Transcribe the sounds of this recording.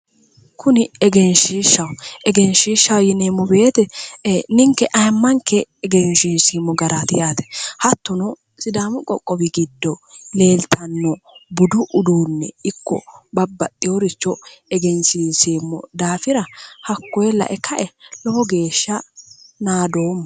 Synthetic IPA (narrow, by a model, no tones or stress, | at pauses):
kʰʊnɪɛɡɛnʃiːʃɐwʔɛɡɛnʃiːʃːɐwjɪneːmːɔbe̞ːt̪ɛnɪŋkːɛʔɐjmːɐŋkːɛːɡɛnʃiːnsiːmːɔɡɐɾat̪ɪjaːt̪ɛ̥hɐt̪ːɔnɔ | sʼɪd̪aːmʊkʼɔkʼːɔbɪɡɪd̪ːɔle̞ːlt̪ʰɐnːɔbʊd̪ʊʔʊd̪uːnːɛ̰ɪkːɔ̰bɐbːɐt̪ʼːɪjɔɾɪt͡ʃːɔɛɡɛnsiːnsiːmːɔ̰d̪aːfɪɾɐhɐkːɔjɛlɐ̰ʔɛkɐʔɛlɔhɔɡe̞ːʃːɐnaːd̪o̞ːmːɐ